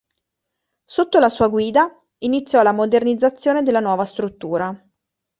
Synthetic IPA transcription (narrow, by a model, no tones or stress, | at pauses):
sot̪ːolasuːaɡwiːd̪a | init̪sːjɔlamod̪ernid̪zat̪sːjoːned̪elːanwɔːvast̪ɾut̪ːuːɾa